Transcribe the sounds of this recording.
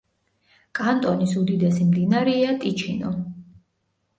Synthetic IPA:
kʼant̪ʼɔnisud̪id̪ɛsimd̪inaɾiat̪ʼit͡ʃʰinɔ

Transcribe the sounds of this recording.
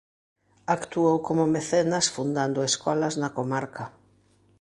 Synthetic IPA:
akt̪uowkomʊmeθenɐsfund̪and̪ʊeskɔlɐznɐkomaɾkɐ

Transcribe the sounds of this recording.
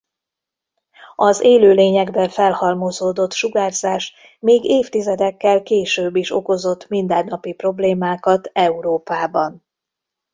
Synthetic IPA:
ɒzeːløːleːɲɛɡbɛfɛlhɒlmozoːd̪o̞t̪ʃuɡaːrzaːʃ | meːɡeːft̪izɛd̪ɛkːɛlkeːʃøːbːiʃo̞ko̞zo̞t̪ːmind̪ɛnːɒpipro̞bleːmaːkɒt̪ɛuɾoːpaːbɒn

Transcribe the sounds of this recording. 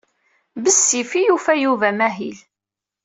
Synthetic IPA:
bəsːifijufæjuvæmæɦil

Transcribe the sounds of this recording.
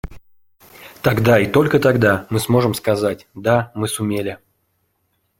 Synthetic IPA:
t̪ɐɡd̪ait̪o̞lʲkət̪ɐɡd̪amɨsmo̞ʐɨmskɐzat̚ʲd̪amɨsʊmʲelʲɪ

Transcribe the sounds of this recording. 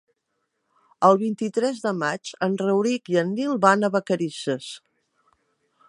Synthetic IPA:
əlˠβint̪it̪ɾɛzðəmad͡ʒənrəwɾikiənːilˠβanəβəkəɾisəs

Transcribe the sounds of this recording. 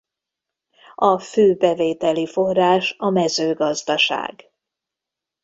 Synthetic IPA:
ɒføːbɛveːt̪ɛlifo̞rːaːʃɒmɛzøːɡɒzd̪ɒʃa̰ːɡ

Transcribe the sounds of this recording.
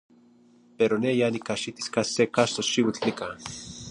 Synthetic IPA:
peɾonejanikaʃit̪i̥skasekaʃt̪oʃiwit͡ɬnika

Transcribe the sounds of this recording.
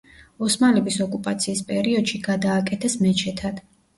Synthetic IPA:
ɔsmalɛbisɔkʼupʼat̪sʰiːspʼɛɾiɔd̪ʃiɡad̪aːkʼɛt̪ʰɛsmɛt͡ʃʰɛt̪ʰad̪̥

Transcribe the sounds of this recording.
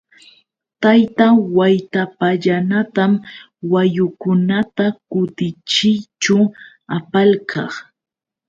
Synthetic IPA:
t̪ajt̪awajt̪apaʎanat̪am | wajʊkʊnat̪akʊt̪ɪt͡ʃɪjt͡ʃʊ | apalkʰɑχ

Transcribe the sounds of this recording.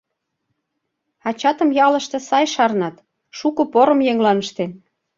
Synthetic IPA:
ɑt͡ɕɑt̪ə̆mjɑlə̆ʃt̪ɤ̆sɑjʃɑrnɑt̪ | ʃukɤ̆poɾə̆mjeŋlɑnəʃt̪en

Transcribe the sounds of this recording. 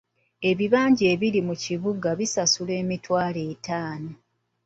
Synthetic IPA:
e̞βiβaːɲɟeːβilimuciβuɡaβisasule̞ːmitwaːle̞ːtaːno̞

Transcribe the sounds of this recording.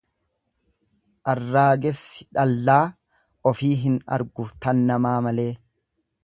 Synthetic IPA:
ʔɐrːaːɡɛsːɪ̥ᶑɐlːaː | ʔɔfiːɦɪnɐ̰ɾɡʊt̪ɐnːɐmaːmɐle̞ː

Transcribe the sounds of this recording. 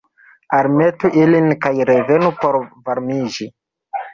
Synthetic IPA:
aɾme̞tuʔilinkajɾe̞ve̞nupo̞ɾvaɾmid͡ʒi

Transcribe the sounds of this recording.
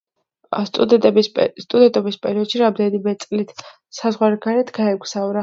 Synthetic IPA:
st̪ʼ | st̪ʼud̪ɛnt̪ʼɔbispʼɛɾiɔd̪̥ʃiɾamd̪ɛnibɛt̪sʼlit̪ʰ | sazʁwaɾɛɡaɾɛt̪ʰɡaɛɡʷʰʼzaɔɾa

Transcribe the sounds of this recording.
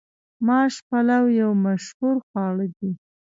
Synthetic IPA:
mɑʃpalawjawmaʃhuɾxwɑɽəd̪i

